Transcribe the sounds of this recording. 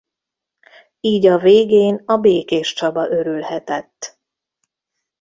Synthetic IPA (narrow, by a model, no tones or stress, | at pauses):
iːɟɒveːɡeːnɒbeːkeːʃt͡ʃɒbɒʔø̞ɾylhɛt̪ɛt̪ː